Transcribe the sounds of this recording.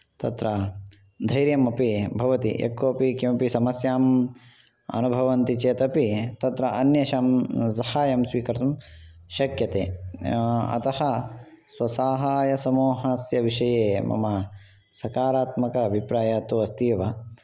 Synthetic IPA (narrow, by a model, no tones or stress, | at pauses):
t̪ɐ̰t̪ɾɐ | d̪ʱɐjɾjɐmɐpibʱɐʋɐt̪ḭʔḛkːoːɐpikimɐpisɐmɐsjaːm | ɐ̰nubʱɐʋɐnt̪it͡ʃeːt̪ɐpit̪ɐt̪ɾɐʔɐnjɐʃaːmsɐhaːjɐmsʋiːkɐɾt̪umʃɐkjɐt̪ḛː | ɐ̰t̪ɐhɐ | sʋɐsaːɦaːjɐsɐmoːɦɐsjɐʋiʃɐjeːmɐ̰mɐ | sɐkaːɾaːt̪mɐkɐːbʱipɾaːjaːt̪uʋɐst̪iːʋɐ